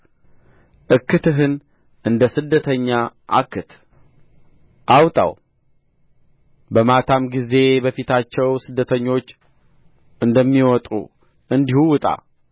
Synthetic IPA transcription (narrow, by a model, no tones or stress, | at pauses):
ʔɨkːɨt̪ɨɦɨn | ʔɨnd̪əsɨd̪ːət̪ʰəɲːaʔa̰kːɨt̪ | ʔawt̪ʼa̰w | bəmat̪ʰamɡize̞bəfit̪ʰat͡ʃːɛwsɨd̪ːət̪ʰəɲːo̞t͡ʃː | ʔɨnd̪əmːiwɔt̪ʼṵ | ʔɨnd̪ihuwɨt̪ʼa̰